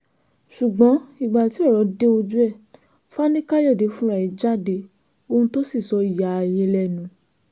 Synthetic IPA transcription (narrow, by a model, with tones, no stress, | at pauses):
ʃu˨ɡ͡bɔ̃˨˦i˦˨ɡ͡ba˨ti˨˦ɔ˦˨ɾɔ˨˧˦de˦o˧d͡ʒu˦ɛ˦˨ | fa˦nĩ˦ka˦jɔ˦˨de˨˦fũ˦ɾa˦˨i˨˦d͡ʒa˦˨de˨˧ | o˧ũ˧to˦si˦˨sɔ˧˦i˦˨ja˨jẽ˧lɛ˦˨nũ˨˦